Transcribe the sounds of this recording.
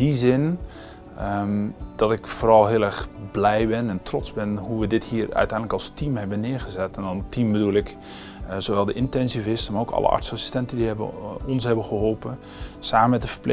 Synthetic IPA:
izɪn | d̥ɔtɪkfoːrɑlˠɦɪəlˠɛɹxblɛjbɪnɛntrɔtzbɪnɦuʋədɪthiːrœ̰ɥtɛjndləkɑlˠstimɦɛbənɪːəɣəzɛtɛndɔntimbədulˠɪk | zoʋɛlˠdəʔɪntɛnsivɪstəmaːrokʰɑ̰ləʔɹtsasi̥stɛntəndiɦɛbə̰ɔnshɦɛbənxəɦɔlˠpən | saːməmɛtəfəple

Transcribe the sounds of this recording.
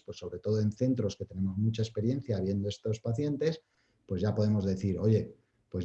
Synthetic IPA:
pwe̞sːo̞βɾe̞t̪o̞ð̞oe̞nθe̞nt̪ɾo̞ske̞t̪e̞ne̞mo̞zmut͡ʃae̞spe̞ɾje̞nθjaβ̞je̞nd̪o̞e̞st̪o̞spaθje̞nt̪e̞s | pwe̞zʝapo̞ðe̞mo̞zðe̞θiɾo̞ʝe̞ | pwe̞z

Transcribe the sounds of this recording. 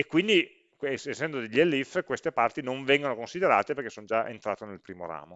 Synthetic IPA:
ekːwind̪i | kesesːɛnd̪od̪eʎːelːifkwest̪epart̪inoɱvɛŋɡonokonsid̪eɾaːt̪eperkesːonod͡ʒaʔḛnt̪ɾaːt̪enelpɾiːmo̰ɾa̰ːmo

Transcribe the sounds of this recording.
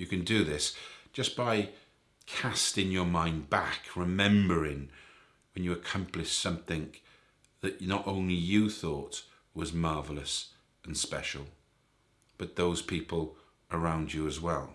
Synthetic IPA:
jɨkɨ̃ndɨðɪsd̥ʒ̥ʌsb̥aɪ | kʰæstɪ̃ŋjə˞mãɪ̃nbakʰɹɨmɛ̃mbə˞ɪ̃ŋ | wɨ̃njɨɨkʰʌ̃mplɨʃsʌ̃mθɪ̃ŋ | ðɨʔnəɾʔõʊ̃nlijɨθɔt | wʌzmɑɹvl̩ˠəs | ɨ̃n̩spɛʃl̩ˠ | b̥ʌt̪̚ðoʊz̥pʰipəl̩ˠ | ə˞ãʊ̃nd͡ʒɨːzwɛlˠ

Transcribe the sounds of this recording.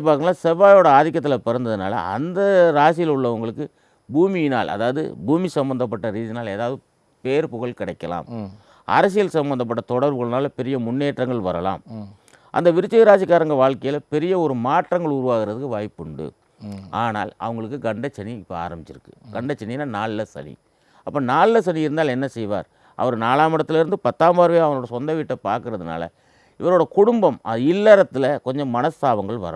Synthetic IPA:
pːaːɾnaːsɐbaːjoːɽɐaːðɪk̬ːɐt̪ːɪlɐpɛɾɐnd̪ɐðɯna̰ːlɐ̰ɐ̰nd̪ɐɾaːs̬ɪjlʊɭːɐʋɐŋɡɐɭɯkːɯ | buːmɪjɪnaːlʔɐ̰ðaːʋɐðɯ̰buːmisɐmbɐnd̪ɐp̬ːɐʈːɐɾiːðɪnaːleːðaːʋɐðɯ | peːɾpʊɣɐɭkɪɽɐɪkːɐla̰ːm | ʔɐ̰ɾɐs̬ɪjɐlsɐmbɐnd̪ɐp̬ːɐʈːɐt̪ɔɽɐɾʋɯɣɐɭnaːlpɛɾɪjɐmʊnːeːʈrɐŋɡɐɭʋɐɾɐla̰ːm | ʔɐ̰nd̪ɐʋɪɾɯt͡ʃːɐɣɪɾaːsɪkːaːɾɐŋɡɐʋaːɭkɐjɪlpɛɾɪjɐɔɾɯmaːʈrɐŋɡɐɭʊɾʊʋaːɣɪɾɐðɯkːɯʋaːjpːɯɳɖɯ̰ | ʔaːna̰ːlɐ̰ʋɐŋɡɐɭɯkːɯɡɐɳɖɐt͡ʃːɐniɪpːɐa̰ːɾɐmbɪt͡ʃːɪɾɯkːɯ̥ɡ̥ɐɳɖɐt͡ʃːɐnːinːaːnaːɭlɐsɐ̰nḭ | ɐpːɐnaːɭɪlɐs̬ɐniɪɾɯnd̪aːlɛnːɐsɛjʋa̰ːɾ | ʔɐ̰ʋɐɾnaːlaːmɪɽɐt̪ːɪlɪɾɯnd̪ɯpɐt̪ːaːmbaːɾʋeːɐʋɐoːɽɐsɔnd̪ɐʋiʈːɐpːaːɾkɯɾɐðɯna̰ːlɐ̰ | ɪʋɐɾoːɽɐkʊɽʊmbɐmɐðɪlːɐɾɐt̪ːɪlɐkɔɲd͡ʒɔmmɐnɐst̪aːʋɐŋɡɐɭʋɐ̰ɾɐ̰

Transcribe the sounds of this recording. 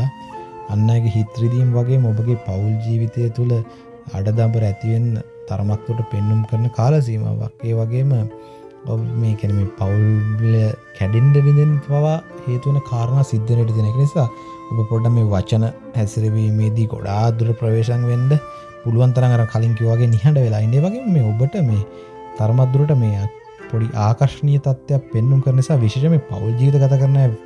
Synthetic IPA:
anːaːɡeɦit̪rid̪imʋaɡeːməobəɡepauld͡ʒiːʋit̪ejət̪ulə | a̰ɖəd̪ambəɾɛt̪iʋenːə̰ | t̪aɾəmak̚t̪oʈːəpenːumkəɾənekaːlas̬ima̰ʋa̰ɡeːʋaɡeːmə | omeːkʲæːnemeːpaulʋiləkʰɛɖeɳɖəʋind̪enbaʋaheːt̪uʋənəkʰaːɾənaːsid̪ːənəʋəʈ̬ət̪iːenekənisaː | obəpoɖːammeːʋat͡ʃənə | hæsiɾeʋiːmeːd̪iːko̰ɽaːd̪uɾəʈəpɾəʋeːʃaŋʋend̪ə | puluʋant̪̬ɐɾaŋaɾəməkʰaliŋkiʋəʋaɡeːniɦaɳɖəʋelaːind̪eːʋaɡeːməmeːobəʈəmeː | t̪aɾəmat̪̚d̪uɾəʈəmeː | poɖiʔaːkaɾʂənijət̪at̪ːejapːenːuŋkəɾənisaːʋiʂeʃəmeːpa̰wld͡ʒiːʋit̪̬əɡat̪aːkːəɾənaj

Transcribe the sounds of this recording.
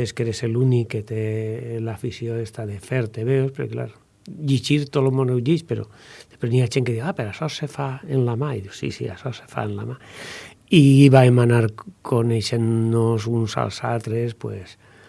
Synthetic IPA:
eskeɾeselunikːet̪elafisjoest̪aðefeɾt̪eβewspeɾo̰kla̰ɾo | ʎit͡ʃiɾt̪olomonewʎit͡ʃpeɾo̰d̪̥espɾeniaʒeŋkeðiwapeɾasɔsefaenlamaiðiwsḭsḭa̰sɔse̥fa̰enlama | iiβaemanaɾkʰoneʃenːos̬unsa̰lˠsalt̪ɾespwḛs

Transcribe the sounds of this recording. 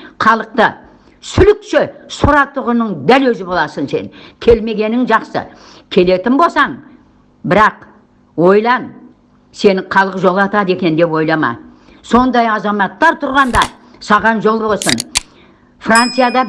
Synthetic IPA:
χɑlˠəq̚t̪ə | sʏlɪkʃɪsʊɾɑt̪ʊʁʊnəɴd̪ælwɵzɪbo̞lˠɑsənse̞̰nkʲʰe̞lme̞ɡʲe̞nɪŋʒɑqsə̰ | kʲʰe̞le̞t̪ɪmbo̞lˠsɑɴ | bɪɾɑq | wo̞jlˠɑn | se̞nɪqʰɑlˠəqʒo̞lˠɑt̪ɑd̪e̞kʲe̞nd̪e̞pwo̞jlˠɑmɑ̰ | so̞nd̪ɑjɑzɑmɑt̪ːɑɾt̪ʰʊɾʁɑnd̪ɑ | sɑʁɑnʒo̞lˠbo̞lˠsən | frant̪sɨjad̪ɑ

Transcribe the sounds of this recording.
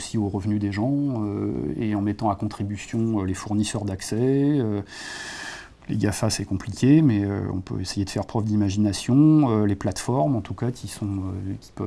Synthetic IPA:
sioʁəvnyd̪eʒɑ̃ø̰ḛɑ̃mɛt̪ɑ̃akɔ̃t̪χibysjɔ̃ølefuʁnisœʁd̪aksɛø | lḛɡʲafasɛkɔ̃plikʲemɛø̰ɔ̰̃pø̰esejed̪əfɛʁpχœvd̪imaʒinasjɔ̃øleplat̪fɔʁmɑ̃t̪ukakʲisɔ̃økʲi̥pə

